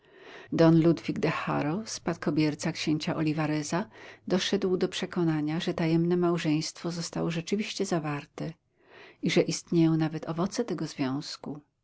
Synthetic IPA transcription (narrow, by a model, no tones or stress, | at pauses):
d̪ɔnlud̪vʲiɡd̪ɛxa̰ɾɔspat̪̚kɔbʲjɛɾt̪sakɕeɲt͡ɕaʔɔlʲivaɾɛzad̪ɔʂɛd̪wd̪ɔpʂɛkɔnaɲaʐɛt̪ajɛmnɛmawʐɛj̃st̪fɔzɔst̪a̰wɔʐɛt͡ʂɘvʲiɕt͡ɕɛzavaɾt̪ɛ | iʐɛʔist̪ɲejɔ̃w̃navɛt̪ʰɔvɔt̪sɛt̪ɛɡɔzvʲjɔ̃w̃sku